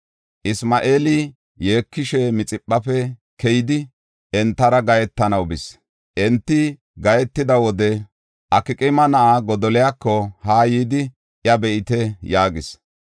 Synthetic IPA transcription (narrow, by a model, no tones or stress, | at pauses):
ʔɪsmɐʔeːlɪ | jeːkːɪʃɛmɪt͡sʼɪpʼːɐfɛ | kɛjɪd̪ɪ | ɛnt̪ːɐɾɐɡɐjɛt̪ːɐnɐwbɪs | ʔɛnt̪ːɪ | ɡɐjɛt̪ːɪd̪ɐwɔd̪ɛ | ʔɐkɪkʼɪmɐnɐʔaɡɔd̪ɔlɛjakːɔhaːjiːd̪ɪ | ʔjɐbɛʔɪt̪ɛjaːɡɪs